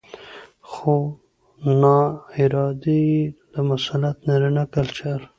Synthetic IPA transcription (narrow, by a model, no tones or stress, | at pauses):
xo | nɑɪɾɑd̪ed̪əmasalat̪naɾinakalt͡ʃaɾ